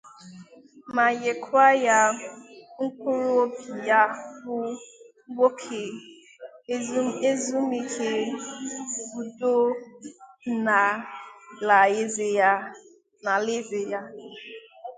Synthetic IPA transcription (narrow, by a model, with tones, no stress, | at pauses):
ma˨je˨kʰa˦ja˦ | ŋ̩˦kʷu˦ɾo˦o˦pi˨ja˦fʊ˦ | ɡʷo˦kʰe˨˦ | e˦zu˦mi˦kʰe˦ | bu˨do˦ | na˨ | la˨e˦ze˨ja˦ | na˨le˦ze˨ja˦